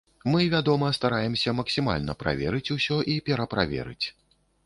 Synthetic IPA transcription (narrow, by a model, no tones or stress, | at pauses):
mɨvʲad̪ɔmɐst̪aɾajɛmsʲɐmɐksʲima̰lʲnɐpɾa̰vʲɛɾɨt͡sʲusʲɔʔipʲɛɾɐpɾavʲɛ̰ɾɨ̰t͡sʲ